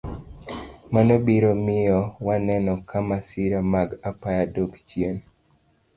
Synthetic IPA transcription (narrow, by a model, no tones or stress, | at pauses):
manobiɾomɪjɔwanɛnɔkʰamasiɾamaɡapajadokt͡ʃjen